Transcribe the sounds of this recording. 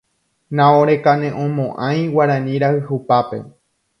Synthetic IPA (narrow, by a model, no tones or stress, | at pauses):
nãoɾekanẽʔõmõʔãj̃waɾãnĩɾahɨhupape̞̰